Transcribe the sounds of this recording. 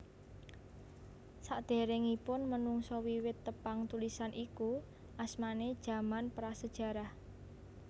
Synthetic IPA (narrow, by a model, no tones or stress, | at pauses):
saʔd̪̥e̤ɾɛŋipʊnmənuŋsɔwiwɪt̪ːəpaŋt̪ulisanʔiku | ʔasmaned̥ʒ̥a̤manpɾasəd̥ʒ̥a̤ɾah